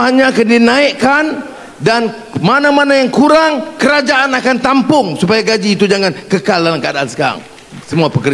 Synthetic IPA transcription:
haɲãakandinãiʔkan | dan | manãmanajaŋkuɾaŋkəɾad͡ʒaʔanakant̪ampʊŋsupajaɡad͡ʒiːt̪ud͡ʒaŋãnkəkalalaŋkadaːnsə̥kaɾa̰ŋ | səmuapəkə

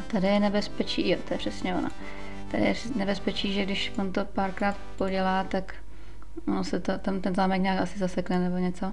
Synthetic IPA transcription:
t̪adɪjɛnɛbɛspɛt͡ʃiːjot̪ojɛpr̥ɛsɲɛo̰na̰ | t̪adɪ̰jɛ | nɛbɛspɛt͡ʃiːʒɛɡdɪʃvont̪o̞paːɾkɾaːt̪poɟɛlaːt̪ak | onosɛt̪ot̪amt̪ɛnzaːmɛkɲaːkasɪzasɛknɛnɛbo̞ɲɛt͡so̞

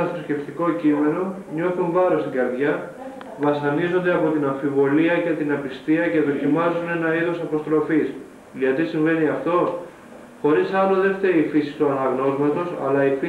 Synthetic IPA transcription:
ɐθɾosce̞ft̪iko̞cime̞no̞ | ɲo̞θuɱvɐɾo̞st̪iŋɡɐɾðʝɐ | vɐsɐnizo̞nd̪e̞ɐpo̞t̪inɐɱfivo̞liɐce̞t̪inɐpist̪iɐce̞ðo̞cimɐzune̞nɐiðosɐpo̞st̪ɾo̞fis | ðiɐt̪isiɱve̞niɐft̪o̞ | xo̞ɾisɐloðe̞ft̪eɾifisist̪uɐnɐɣno̞zmɐt̪o̞sɐ̰lɐifi

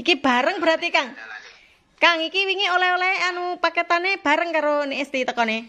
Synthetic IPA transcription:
ikib̥a̤ɾəŋbɾat̪ikaŋ | kaŋikiwiŋiolaolaeanupakət̪aneb̥a̤ɾəŋkaɾoneʔst̪it̪əkɔne

